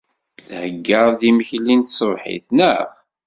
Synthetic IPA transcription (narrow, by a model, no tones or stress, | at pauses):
θhəɡːəðˤðiməçlint̪sˤəvħḭθnəʁ